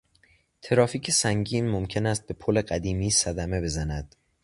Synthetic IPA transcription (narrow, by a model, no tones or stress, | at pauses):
t̪ʰeɾɒːfiːcʰe̞sæŋɟiːnmomcʰe̞næst̪̚be̞pʰole̞ɢæd̪iːmiːsæd̪æme̞be̞zænæd̪̥